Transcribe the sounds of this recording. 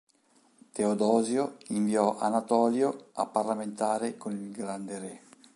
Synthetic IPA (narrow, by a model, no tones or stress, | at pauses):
t̪eod̪ɔːzjoiɱviɔʔa̰nat̪ɔːljoa̰pːarlament̪aːɾekonilɡɾand̪eɾɛ